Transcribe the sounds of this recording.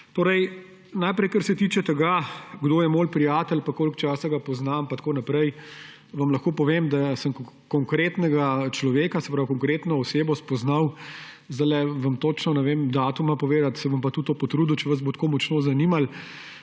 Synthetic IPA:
t̪oːɾɛj | najpɾɛjkɐɾsɛt̪iːt͡ʃɛt̪ɛɡaɡd̪oːjɛmoːlpɾijaːt̪ɛlpakoːlkt͡ʃaːsaɡapɔznampat̪koːnapɾɛj | ʋɐmlɐxkoːpɔʋeːmd̪asəmk | kɔŋkɾeːt̪nɛɡat͡ʃlɔʋeːkasɛ̥pɾawkɔŋkɾeːt̪nɔɔseːbɔspɔznaw | zd̪ajlɛʋɐmt̪oːt͡ʃnɔnɛʋemd̪aːt̪umapɔʋeːd̪at̪sɛʋɐmpat̪ut̪ːoːpɔt̪ɾud̪ut͡ʃɛʋɐzbot̪kʰoːmɔt͡ʃnoːzɐniːmal

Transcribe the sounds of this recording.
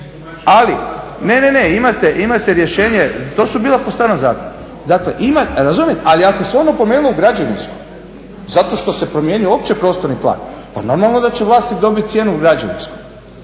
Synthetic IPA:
aline̞neneimat̪eʔimat̪eɾje̞ʃe̞ːɲet̪o̞ːsubiːlapost̪aːɾnomza̰ːkon | d̪akleʔimat̪ɾazumjet̪aliakoseo̞nopomenulouɡɾad͡ʑanḭnsko̥j | zat̪o̞ʃt̪o̞se̞pɾo̞mje̞ɲujo̞ːpt͡ɕe̞pɾo̞ːst̪oɾniplˠa̰ːnpa̰no̞ɾmalˠno̞d̪at͡ɕe̞ʋlˠaːst̪id̪o̞bit̪̚t̪sje̞ːnuuɡɾad͡ʑa̰nḭnsku̥j

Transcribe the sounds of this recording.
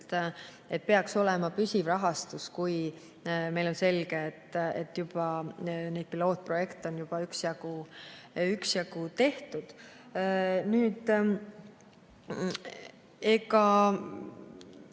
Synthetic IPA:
t̪ | e̞t̪̚peɑkso̞lɛmɑpysʲivrɑɦɑst̪uskuj | me̞jlo̞nse̞lɡ̥eːt̪ːˑet̪ːjub̥ɑne̞jd̪̚pilo̞ːt̪̚pro̞je̞kt̪eo̞njub̥ɑyksjɑɡ̥u | yksjɑɡ̥ut̪e̞ht̪ud̪̥ | nyːd̪ | eɡɑ

